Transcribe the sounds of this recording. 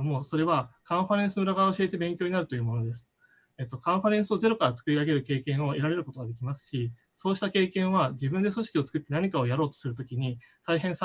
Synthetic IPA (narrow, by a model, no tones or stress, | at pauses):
mo̞ːso̞ɾe̞βakãɰ̃ɸaɾẽ̞ɰ̃sɨmɯ̟ɾaɡaoɕie̞t̪e̞bẽ̞ŋkʲo̞ːɲ̟inaɾɯ̟t̪o̞jɯ̟ːmo̞no̞d̪e̞sɨ̥ | et̪ːo̞kãɰ̃ɸaɾẽ̞ɰ̃sɨo̞ze̞ɾo̞kaɾat͡sɨ̥kɯ̟ɾʲiaɡe̞ɾɯ̟ke̞ːkẽ̞ɰ̃o̞e̞ɾaɾe̞ɾɯ̟kot̪o̞ɡad̪e̞kʲimasɨ̥ɕi | so̞ːɕi̥t̪ake̞ːkẽ̞ɰ̃βad͡ʑibɯ̟̃nd̪e̞so̞ɕi̥kʲio̞t͡sɨ̥kɯ̟t̪ːe̞naɲ̟ikao̞jaɾo̞ːt̪osɨɾɯ̟t̪o̞kʲiɲ̟it̪aiɦẽ̞ɰ̃s